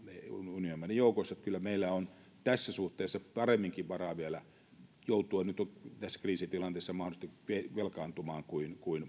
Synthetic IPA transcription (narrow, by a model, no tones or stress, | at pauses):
neununiomːænejoˑukosːɑt̪kylːæmeilːæon | t̪æsːæsuht̪eːsːɑpɑremːiŋkiʋʋɑrɑːʋiælæ | jout̪ˑuɑnyt̪ot̪æsːæ̥kriːsit̪ilɑnt̪eːsːɑmɑhoist̪ikʋeʋelkɑːnt̪umɑːŋkuinkuin